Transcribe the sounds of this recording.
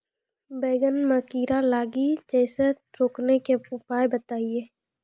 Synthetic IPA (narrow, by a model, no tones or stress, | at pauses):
beːɡənməkiːɾalaːɡid͡ʒɛːse | ɾoːknekeʊpaːebət̪aːieː